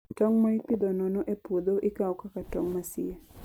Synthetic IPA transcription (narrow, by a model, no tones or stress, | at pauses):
tɔŋmaipid̪ɔnɔnɔʔepod̪oʔikawɔkakatɔŋmasɪ̰e